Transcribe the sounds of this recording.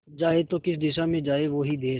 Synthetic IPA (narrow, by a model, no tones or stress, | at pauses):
d͡ʒaːet̪okɪsd̪ɪʃamẽd͡ʒaːeʋoːɦid̪eː